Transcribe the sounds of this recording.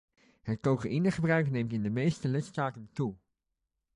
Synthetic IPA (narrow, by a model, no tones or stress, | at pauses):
ɦət̚kowkaʔinəχəbrœɥknejmtɪndəmejstəlɪtstaːtəntu